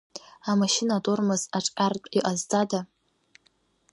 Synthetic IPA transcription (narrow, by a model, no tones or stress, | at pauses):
amaʃɪnatʼormɨzaʈ͡ʂʷʼħʲʼartʷʼiʔʼazd͡zada